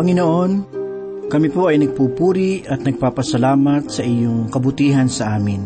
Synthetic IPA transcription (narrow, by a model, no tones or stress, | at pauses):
pɐŋɪnoʔo̞n | kɐmɪpoʔɐjnɐɡ̚puːpuːɾiɐt̪nɐɡ̚paːpɐsɐlaːmɐt̪̚sɐʔɪjoŋkɐbʊt̪iːɦɐnsɐʔaːmɪn